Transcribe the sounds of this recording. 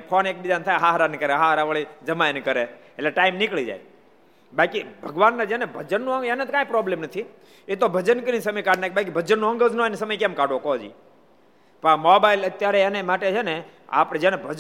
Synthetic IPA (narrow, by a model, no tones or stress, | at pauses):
pʰonek̚bid͡ʒ̪ant̪ʰajɦaɦɾankəɾeɦaɦɾaʋəɭid͡ʒəmajnkəɾeː | leʈaimnikɭid͡ʒa̰j | bakibʱəɡʋanːad͡ʒɛnebʱəd͡ʒənːũəenet̪kãĩpɾɔblemnət̪ʰi | et̪obʱəd͡ʒənkəɾisəməjkaɖnakebak̬ibʱəd͡ʒənːũə̃ŋɡəd͡ʒnõenisəməjkɛ̃mkaɖokɔd͡ʒḭ | pmɔbailət̪jaɾɛːnemaʈet͡ʃʰene | a̰pɽ̃ed͡ʒɛnebʱəd͡ʒ